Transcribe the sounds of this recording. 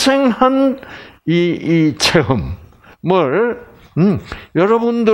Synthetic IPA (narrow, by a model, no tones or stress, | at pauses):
sʰeŋhan | iit͡ɕʰeɯm | mɯɭ | jʌɾʌbundɯ